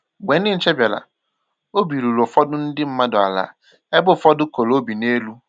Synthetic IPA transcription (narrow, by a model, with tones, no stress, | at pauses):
ɡ͡bʷe˨n˦ɪ˦n̩˦t͡ʃe˦bja˨la̰˨ | o˦bi˨ɾu˨ɾo˨fɔ˦dʊ˦n̩˦dɪ˦m̩˦ma˦dʊ˨a̰˨la̰ː˨˦ | e˦bʊ˦˨fɔ˦dʊ˦ko˨lo˦bi˨ne˦lu˦